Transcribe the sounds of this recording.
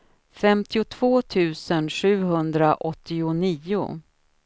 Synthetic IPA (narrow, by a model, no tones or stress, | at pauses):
fɛmt̪ɪʊt̪ʰv̥oːt̪ʰʉ̟ːsənɧʉ̟ːɦɵnd̪ɾaʔɔt̪ːɪʊniːʊ̰